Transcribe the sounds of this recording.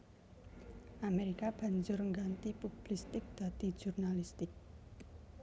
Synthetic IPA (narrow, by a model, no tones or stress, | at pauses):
ʔameɾikab̥a̤ɲd͡ʒʊrŋɡant̪ipub̥list̪ɪk̚d̪̥ä̤d̪̥i̤̥d͡ʒurnalist̪ɪk̚